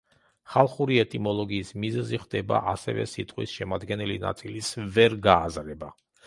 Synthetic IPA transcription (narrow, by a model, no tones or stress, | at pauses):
χalˠχuɾiɛt̪ʼimɔlˠɔɡiːsmizɛziχd̪ɛba̰ʔasɛ̰vɛ̰sit̪ʼqʼwisʃɛmad̪ɡɛnɛlina̰t̪sʼilisvɛɾɡaːzɾɛba